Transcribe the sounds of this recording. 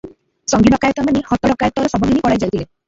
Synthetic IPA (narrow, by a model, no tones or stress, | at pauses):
sɔŋɡiɖɔkajɔt̪ɔmanehɔt̪ɔɽɔkajɔt̪ɔɾɔsɔbʱɔɡinipɔɽajd͡ʒajt̪ʰile